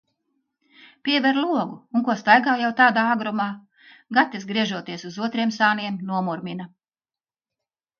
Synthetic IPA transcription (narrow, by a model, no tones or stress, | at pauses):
piɛvɛɾlˠuɔɡuuŋkuɔst̪ajɡaːjawt̪aːd̪aːaɡɾɔmaː | ɡat̪izɡɾiɛʒuɔt̪iɛsuzuɔt̪ɾiɛmsaːniɛmnuɔmuɾmʲina